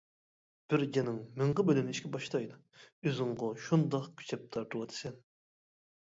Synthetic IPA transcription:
b̥ɪɾd͡ʒʲɛnɪŋmɪɴʁɨbølɪnɪʃkʲɛbɑʃt̪ʰɑjd̪u | øzɪŋʁɑʃund̪ɑqkʲʰy̥t͡ʃʰɛp̚t̪ʰɑɾt̪ʰuwɑt̪ʰɨ̥sɛn

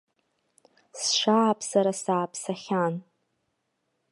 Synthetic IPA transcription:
sʃaːpʰʼsaɾasaːpʼʰsaχʲan

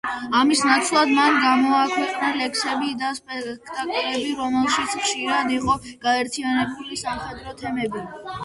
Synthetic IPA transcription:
amisnat̪sʰlˠad̪manɡamɔakʰwɛqʼnalɛksɛbid̪aspʼɛkʰt̪ʼakʼɛbiɾɔmɛlˠʃit̪sʰχʃiɾad̪iqʼɔɡ̥aɛɾt̪ʰianɛbulisamχɛd̪ɾɔt̪ʰɛmɛbi

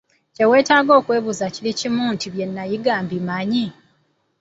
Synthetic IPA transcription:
ce̞we̞ːtaːɡo̞ːkwe̞ːβuzacilicimuntiβje̞nːajiɡaːmbimaɲi

